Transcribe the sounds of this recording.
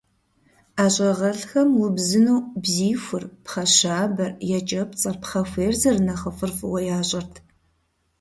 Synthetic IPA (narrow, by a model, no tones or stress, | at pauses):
aːɕʼɐʁɐɬxɐmwʊbzɨnoːbziːfʷʊrpχɐɕaːbɐrjɛt͡ʃʼɐpt͡sʼɐrpχɐfʷeːrzɐrnɐχəfɨrfwɐjaːɕʼɐrtʰ